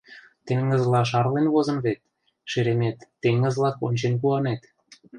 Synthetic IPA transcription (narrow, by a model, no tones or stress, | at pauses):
t̪eŋə̆zlɑʃ̬ɑrlenβozɤ̆mβet̪̚ | ʃeɾemet̪ːeŋːə̆zlˠɑkonʲt͡ɕenkuɑnet̪